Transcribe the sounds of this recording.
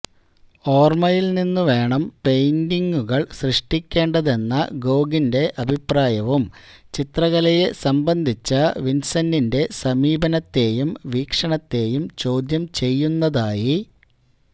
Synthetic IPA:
o̞ːrmɐjilninːuʋe̞ːɳɐmpe̞jndiŋɡuɣɐɭɕrɨʂʈikʲːe̞ːɳɖɐðe̞nːɐ̰ɡo̞ːɡinde̞ʔɐbʱipraːjɐʋum | t͡ɕit̪rɐɣɐlɐje̞sɐmbɐnd̪ʱit͡ɕːɐʋinsɐnːinde̞sɐmiːbɐnɐt̪ːe̞ːjumʋiːkʂɐɳɐt̪ːe̞ːjumt͡ɕo̞ːd̪jɐmt͡ɕe̞jːunːɐðaːji

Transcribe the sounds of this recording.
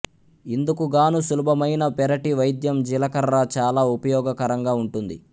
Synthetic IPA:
ind̪ukuɡaːnusulubʱɐmɐjnɐpɛɾɐʈiʋɐjd̪jɐmd͡ʒilɐkɐɾːat͡ʃaːlaːupɐjɔːɡɐkɐɾɐŋɡaːuɳʈund̪ḭ

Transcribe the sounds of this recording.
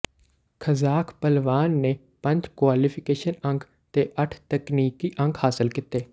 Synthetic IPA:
kʰəzaːkʰpəlʋaːnːeː | pə̃ɲd͡ʒkwaːliːpʰɪkeːʃənə̃ŋɡ | t̪eːʔəʈʰt̪əkniːkiːʔə̃ŋɡhaːsəlkɪt̪ːeː

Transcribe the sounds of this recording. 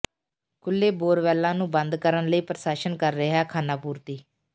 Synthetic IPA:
kʰʊlːeːboːɾʋɛːlːãːnũːbənd̪kəɾənləiːpɾəsaːʃənkəɾːɪɦɛːkʰaːnaːpuːɾt̪iː

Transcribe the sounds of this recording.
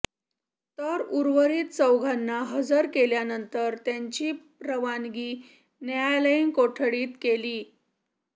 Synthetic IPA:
t̪əɾuɾʋəɾiːt̪̚t͡səwɡʱanːaɦəd͡zəɾkeljanənt̪əɾt̪jaɲt͡ɕiː | ɾəʋanɡiː | njaləinkoʈʰɽiːt̪keliː

